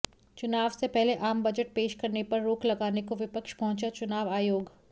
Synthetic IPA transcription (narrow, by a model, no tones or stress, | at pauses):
t͡ʃʊnaːʋsepɛɦleʔaːmbɐd͡ʒəʈ̚peːʃkɐɾnepɐɾːoːklɐɡaːnekoʋɪpəkʃpɐɦʊ̃t͡ʃat͡ʃʊnaːʋaːjoːɡ